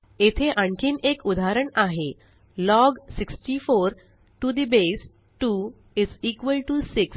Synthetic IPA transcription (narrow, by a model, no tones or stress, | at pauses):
et̪ʰeʔaɳkʰiːnekud̪aɾəɳaɦe | lɔɡsiksʈifoɾ | ʈud̪ibes | ʈu | iziːkʋəlʈusiks